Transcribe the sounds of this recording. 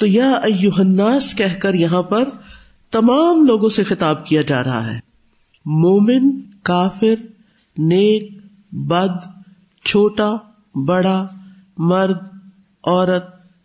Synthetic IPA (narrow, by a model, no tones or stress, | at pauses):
t̪oːjaɐjʊɦənːaːskɛɦkəɾjɐɦãpɐɾ | t̪ɐmaːmloːɡõsexɪt̪aːb̚kijad͡ʒa̰ːɾɐɦa̰ɦɛ̰ː | moːmɪnkaːfɪɾ | neːk̚ | bɐd̪ | t͡ʃʰoːʈa | bɐɽa | mɐɾd̪ | ɔːɾət̪̚